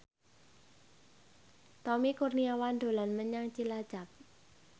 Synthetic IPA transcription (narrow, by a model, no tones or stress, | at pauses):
t̪ɔmikurniawand̪̥o̤lanməɲaŋt͡ʃilad̥d͡ʒ̥a̤p̚